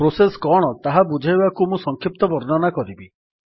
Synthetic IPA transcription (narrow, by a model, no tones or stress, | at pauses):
pɾoseskɔɽ̃ɔt̪aɦabud͡ʒʱajbakumũsɔŋkʰip̚t̪ɔbɔɾnɔnakɔɾibi